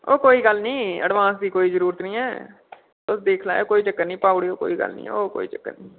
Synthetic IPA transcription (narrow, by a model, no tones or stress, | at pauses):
oːkoːiːɡəlnĩːə̰ɖʋãːsd̪iːkoːiːzəɾuːɾət̪nĩːɛː | ʊsd̪eːkʰla̰ːeːkoːiːt͡ʃəkːənĩːpaːʊɽiːoːko̰ːiːɡə̰lnḭ̃ːɛ̰ːoːko̰ːḭːt͡ʃəkːə̰nĩː